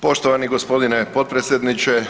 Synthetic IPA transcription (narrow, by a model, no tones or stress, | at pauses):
po̞ʃt̪oʋaniɡospo̞d̪inepo̞t̪̚pɾet̪sʲjed̪nit͡ʃe